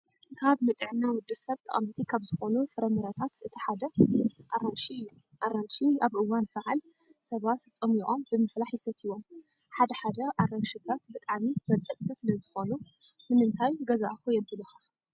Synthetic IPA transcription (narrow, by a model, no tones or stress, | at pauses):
kʰaβmɨt̪ʼɨʕnːawʊd̪ɨsɐβt̪ʰʼɐ̰χʼɐmt̪ʰikʰaβzɨxo̞nufɨɾɐmɨɾɐt̪ʰat̪ɨt̪ʰiħad̪ɐʔaɾɐnʃiɨjːu | ʔaɾɐnʃiaβʔɨwːansɐʕal | sɐβat̪t͡sʼɐmiʔʼo̞mbɨmɨflaħjɪsɐt̪ʰiwo̞m | ħad̪ɐħad̪ɐʔarɐnʃɨt̪ʰat̪̚bɨt̪ʼaʕmimɐt͡sʼɐt̪ʼt̪ʰisɨlɐzɨxo̞nu | mɨnɨnt̪ʰajɡɐzaʔxujɛbɨlɐxa